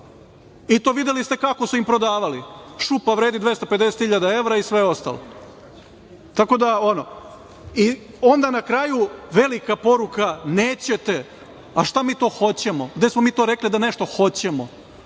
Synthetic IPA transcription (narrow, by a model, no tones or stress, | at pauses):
it̪o̞ːʋid̪elist̪ekako̞suimpɾo̞d̪aːʋaliʃupaʋɾe̞ːd̪id̪ʋe̞st̪ope̞d̪e̞set̪hiʎad̪ae̞ʋɾaisʋe̞o̞st̪a̰lo | t̪ako̞d̪aono̞ | i | o̞nd̪anakɾaːjuʋe̞likapo̞ɾukaneːt͡ɕet̪e̞ | aʃt̪amiːt̪o̞ːxo̞t͡ɕemoɡd̪esmomiːt̪o̞ɾeklid̪ane̞ʃt̪o̞xo̞t͡ɕe̞mo̞